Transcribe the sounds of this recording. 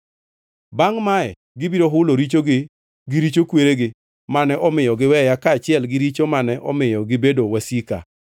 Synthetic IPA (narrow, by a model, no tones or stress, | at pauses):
baŋmaɛ | ɡɪbiɾoɦʊloɾit͡ʃoɡɪ | ɡɪɾit͡ʃokweɾeɡɪ | manɛʔɔmɪjɔɡɪwɛjakaːt͡ʃɪɛlɡɪɾit͡ʃomanɛʔɔmɪjɔɡɪbedowasika̰